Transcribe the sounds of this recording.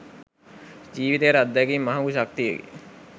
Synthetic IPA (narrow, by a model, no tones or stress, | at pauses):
d͡ʒiːʋit̪ejəɾad̪ːækimːaɦaɡuʃak̚t̪ijə̰ɡḛ